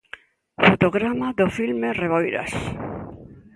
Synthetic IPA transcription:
fot̪oɣɾamaðofilmereβojɾa̰s

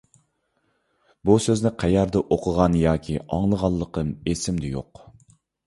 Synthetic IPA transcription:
busøznɪqʰæjɑɾd̪ɨʔoqʰəʁɑnjɑːkʲʰiʔɑ̰ŋlˠəʁɑlˠːəqəmesɪmd̪ɪjo̰q

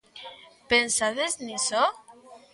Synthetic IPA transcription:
pensaðezniso

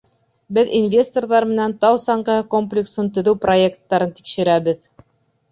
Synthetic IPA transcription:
bɘðinvʲe̞st̪o̞rðɑɾmɘ̆nænt̪ɑwsɑɴɢɑhɤkomplʲɪksɤnt̪ɵ̆ðɘwpro̞ekt̪ːɑɾɤnt̪i̥kʃɘ̆ɾæβɘð

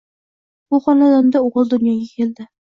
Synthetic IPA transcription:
buχɒnad̪ɑnd̪auʁɤlˠd̪ʊnjɑɡakʲeld̪ɪ

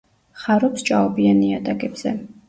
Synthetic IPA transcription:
χaɾɔpst͡ʃʼaɔbianiat̪ʼakʼɛbz̥ɛ

